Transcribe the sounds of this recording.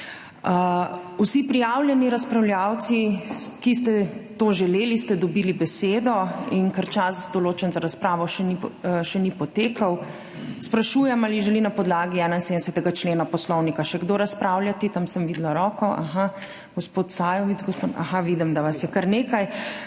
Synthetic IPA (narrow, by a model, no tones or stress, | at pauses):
əusipɾijawljɛniɾaspɾawljaw̪sikist̪ɛt̪oʒɛleːlist̪ɛd̪ɔbiːlibɛseːd̪ɔinkaɾt͡ʃasd̪ɔloːt͡ʃɛnzaɾaspɾaːʋɔʃɛniʃɛnipɔt̪eːkʰɐw | spɾaʃuːjɛmaliʒɛlinapɔd̪laːɡiɛːnainsed̪ɛsɛt̪ɛɡat͡ʃleːnapɔslɔwnikaʃɛɡd̪oɾaspɾawljat̪it̪amsəmʋiːd̪laɾɔːkɔʔa̰xa | ɡ̥ɔspoːt̪saːjɔʋiɡɔspot̪a̰xaʋid̪ɛmd̪aʋasjɛkaɾneːkaj